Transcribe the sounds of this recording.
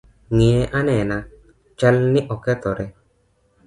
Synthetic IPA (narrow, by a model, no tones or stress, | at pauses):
ŋieʔanɛna | t͡ʃalniʔɔkɛt̪ɔɾɛ